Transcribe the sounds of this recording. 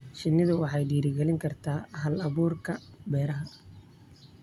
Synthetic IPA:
ʃɪnːɪðʊwɑħɑjɖiːɾɪɡɛlɪŋkʰɐrt̪ʰaːɦɐlɐβuːrkʰɐbɛːɾɐɦɐ

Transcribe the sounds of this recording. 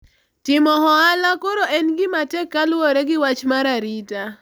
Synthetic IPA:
tɪmɔhɔalakoɾoʔɛnɡɪmatɛkːalwoɾeɡɪwat͡ʃmaɾaɾita

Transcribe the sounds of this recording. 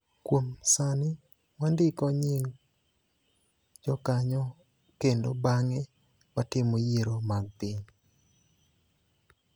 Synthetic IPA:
kwomsanɪ | wandɪkɔɲɪŋ | d͡ʒɔkaɲɔ | kendobaŋɛ | watɪmojeɾomaɡ̚piɲ

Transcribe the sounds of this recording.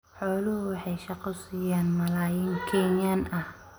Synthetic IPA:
ħɔːlʊhʊwɑħɑjʃɑqɔsijaːnmɐlaːjiŋkʰɛːnjaːnɐh

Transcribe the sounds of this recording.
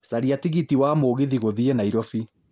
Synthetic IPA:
saɾiatiɣitiwamoːɣiðiɣoðienaiɾɔfi

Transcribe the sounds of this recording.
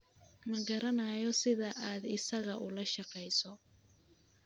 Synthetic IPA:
mɐɡɐɾɐnajɔsɪðɐʔaːd̪ɪsɐɣɐʔʊlɐʃɑqɛjsɔ

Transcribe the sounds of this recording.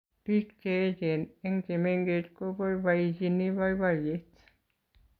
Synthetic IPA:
pit̪keet̪eneŋkemeŋɡ̥et̪koʋoiʋɑisinːiʋɑiʋɑjet̪

